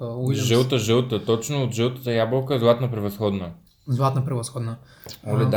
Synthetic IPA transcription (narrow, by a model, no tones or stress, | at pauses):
ʒəlˠt̪əʒəlˠt̪ət̪ɔt͡ʃnʊːt̪ʒəlˠt̪ə̥t̪əjablˠəkəɛzlˠat̪nəpɾɛvɐsxɔd̪nə | zlˠat̪nɐpɾɛvɐsxɔd̪nə | ɔlɛd̪